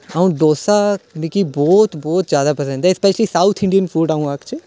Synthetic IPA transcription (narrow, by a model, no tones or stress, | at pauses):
aũd̪oːsanikibɔːt̪bɔːt̪zjaːd̪apɐsə̃ɳɖd̪eɪspɛʃlisaʊt̪ʰɪ̃ɳɖijənfuːɖaũaːkt͡ʃɪ